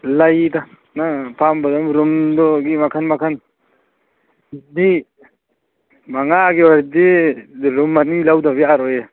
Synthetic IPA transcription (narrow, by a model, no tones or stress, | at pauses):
lajda | napʰambadɔmɾumdɔɡimakʰanmakʰan | di | maŋaɡiwaɾdiɾumːanilawdabiaɾɔja